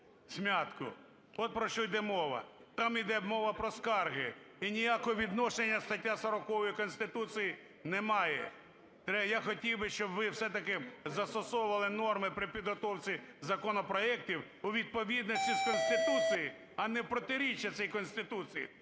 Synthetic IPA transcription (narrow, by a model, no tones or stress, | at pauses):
sʲmʲat̪kʊ̰ | ɔt̪̚pɾɔʃt͡ʃɔjd̪ɛmɔʋɐ̰t̪ɑmid̪ɛbmɔʋɐpɾɔskɑrɦɪinʲijakɔɦɔʋʲid̪nɔʃenʲːɐst̪ɐtʲːasɐɾɔkɔʋɔjikɔnst̪ɪt̪ut͡s̪ʲiji | nɛmɑjɛ̰ | t̪ɾɛjaxɔtʲiwbɪʃt͡ʃɔbʋɪwsɛt̪ɐkɪzɐst̪ɔsɔwʊʋɐlˠɪnɔrmɪpɾɪpʲid̪ɦɔt̪ɔwt͡sʲizɐkɔnɔpɾɔɛktʲiw | ʊʋʲid̪̚pɔʋʲid̪nɔsʲtʲiskɔnst̪ɪt̪ut͡sʲiji | ɐnɛpɾɔt̪ɪɾʲit͡ʃːɐt̪sɛjkɔnsʲt̪ɪt̪ut͡s̪ʲijḭ